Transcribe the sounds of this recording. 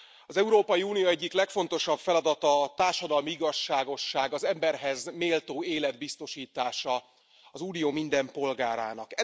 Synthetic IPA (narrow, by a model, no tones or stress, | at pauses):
ɒzɛuɾoːpɒjiuːnijoɛɟːiklɛkfo̞nt̪o̞ʃɒbfɛlɒd̪ɒt̪ɒt̪aːrʃɒd̪ɒlmiiɡɒʃːaːɡo̞ʃːaːɡɒzɛmbɛrɦɛzmeːlt̪oːeːlɛd̪̚bist̪o̞ʃiːt̪aːʃɒ | ɒzuːnijoːmind̪ɛmpo̞lɡaːɾa̰ːnɒk